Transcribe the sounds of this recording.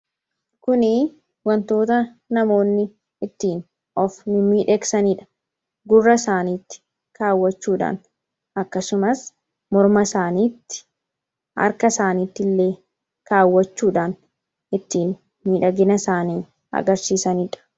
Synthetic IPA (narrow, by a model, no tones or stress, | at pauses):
kʊnɪ | wɐnt̪o̞ːt̪ɐ | nɐmo̞ːnːɪ | ɪt̪ːiːn | ɔfnɪmiːᶑɛɡsɐniᶑɐ̥ | ɡʊrːɐsaːniːt̪ːɪ̥ | kaːwːɐt͡ʃːuːᶑa̰ːn | ʔɐkːɐsʊmɐs | mɔɾmɐsaːniːt̪ːɪ̥ | ɐ̰ɾkɐsaːniːt̪ːɪlːe̞ː | kaːwːɐt͡ʃːuːᶑaːn | ɪt̪ːiːn | miːᶑɐɡɪnɐsaːniː | ɐ̰ɡɐɾsiːsɐniᶑɐ̥